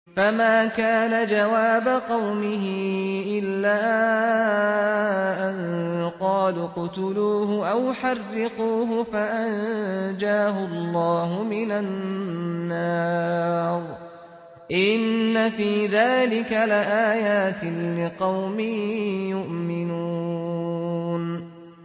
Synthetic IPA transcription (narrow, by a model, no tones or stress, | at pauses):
famaːkaːnad͡ʒawaːbaqɑwmɪɦɪʔɪlːaː | ʔanqɑːlʊqʊt̪ʊluːɦʊʔawħarːɪquːɦʊfaʔand͡ʒaːɦʊlˤːɑːɦʊmɪnanː | ɑː | ɾˤ | ʔɪnnːafiːðaːlɪkalɪʔaːjaːt̪ɪlɪqɑwmɪjʊʔmɪnuː | n